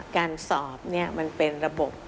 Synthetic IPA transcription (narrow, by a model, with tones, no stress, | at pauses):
kaː˧nsɔː˨˩p̚ni˦˥˩ɐma˧npe˧nɾa˧bo˨˩p̚